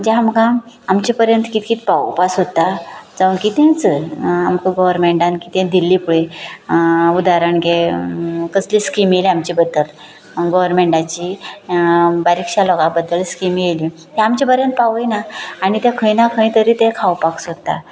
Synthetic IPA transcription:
d͡ʑãamɡã | amt͡ɕipəɾjənt̪kit̪kit̪pawpasɦot̪ːad͡zaʋunkit̪ẽt͡səamkəɡɔʋəɾmeɳʈankit̪ẽd̪ilːipuɭe | ud̪aɾanɡe | kəsliskimeliamt͡ɕiːbəd̪ːəl | ɡɔʋəɾmeɳʈat͡ɕi | baɾikɕalɔɡabəd̪ːəlskimijeli | t̪ɛ̃amt͡ɕipəɾjənt̪paʋəjnaːɽ̃it̪akʰəinakʰə̃ĩt̪əɾit̪ẽkʰawpaksot̪ːa̰

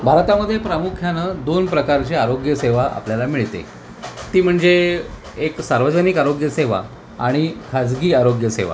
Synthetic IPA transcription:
bʱaɾt̪aməd̪ʱːjepɾəmukʰjanəd̪onpɾəkaɾt͡ɕiaɾoɡjəseʋaʔa̰pljalamiɭt̪ḛ | t̪iːm̤əɳd͡ze | eksaɾʋəd͡zənikaɾoɡjəseʋa̰ | aɽ̃ikʰad͡zɡiːaɾoɡjəsḛʋa̰

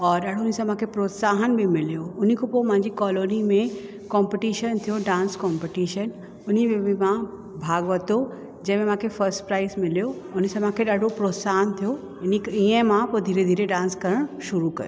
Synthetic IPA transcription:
ɔːɾɗaːɖ̤ʱoʊnsãm̤ãːkʰepɾoːt̪saːɦənbʱɪmɪlijoʊn̤ikʰopoːmãɪ̃ɲd͡ʑikɔːloːnimẽ | kɔ̃ːmpeʈiːʃənt̪ʰijoɖãːnskɔ̃ːmpeʈiːʃən | ʊn̤ibɪɪmã | bʱaːɡʋɐt̪o | d͡ʑɐ̃ɦɪ̃mẽm̤ãkʰefɐɾsʈpɾaːɪsmɪlijoʊn̆sãmãːkʰeɗaːɖʱopɾoːt̪saːɦənt̪ʰijo | ɪniiə̃mãpoːd̪ʱiːɾed̪ʱiːɾeɖãːnskɐɾəɽ̃ʃʊɾukɐjo

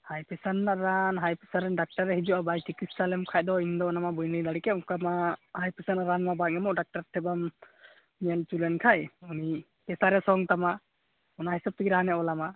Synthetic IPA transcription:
hajpɛsanːaʔɾanɦajpɛsaɾɛnɖak̚ʈaɾɛɦid͡ʒuabajʈʰikissalɛmkʰaj̚d̪ɔind̪ɔnamabujnijlaɽikɛukamahajpɛsanaɾanmabaʔ̚ŋɛmɔʔɖak̚ʈaɾt̪ʰɛbamː | ɛlt͡ʃulɛnkʰajuni | pɛsaɾɛsɔŋt̪ama | ɔnahɛsɔb̚t̪iɡiɾaanɛɔlama

